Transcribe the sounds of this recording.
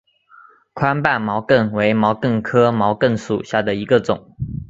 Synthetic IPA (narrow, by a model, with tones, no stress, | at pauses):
kʰwa˥npa˥˩nmɑ˧˥ʊkə˥˩nwe˧˥ɪmɑ˧˥ʊkə˥˩ŋkʰɤ˥mɑ˧˥ʊkə˥˩nʂṵ˨˩ɕja˥˩d̪ə˩i˧˥ɡə˧t͡sʊ˨˩˦ŋ